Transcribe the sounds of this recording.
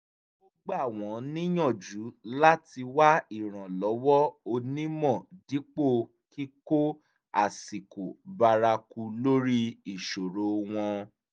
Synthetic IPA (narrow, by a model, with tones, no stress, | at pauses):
o˦ɡ͡ba˦˨w̃ɔ̃˨˦nĩ˦j̃ɔ̃˦˨d͡ʒu˨˦la˦ti˧wa˦i˦˨ɾ̃ã˨lɔ˨˦wɔ˦o˧nĩ˦mɔ̃˦˨di˨˦k͡po˦˨ | ki˦ko˦ | a˨si˨ku˨ba˧ɾa˧ku˧lo˦ɾi˦i˨ʃo˨ɾo˨˦w̃ɔ̃˧